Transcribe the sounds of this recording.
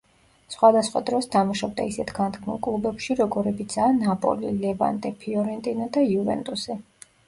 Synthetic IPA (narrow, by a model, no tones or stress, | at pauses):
sχwad̪asχwa̰d̪ɾɔsd̪amaʃɔb̚d̪a̰isɛt̪ʰɡant̪kʰmṵlˠkʼlˠubɛpʃiɾɔɡɔɾɛbit̪sʰaːnapʼɔ̰lilɛva̰nd̪ʼɛpʰiɔɾɛnt̪ʼinad̪aiuvɛ̰nt̪ʼusɛ